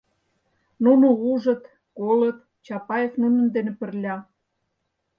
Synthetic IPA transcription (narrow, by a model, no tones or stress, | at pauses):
nunouʒə̆t̪ | kolət̪̚ | t͡ɕɑpɑjefnunə̆nd̪enĕpə̆rlʲɑ